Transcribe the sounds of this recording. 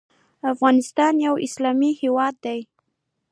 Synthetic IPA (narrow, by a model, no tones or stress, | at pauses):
afɣɑnɪst̪ɑnjawɪslɑmihewɑd̪ːaj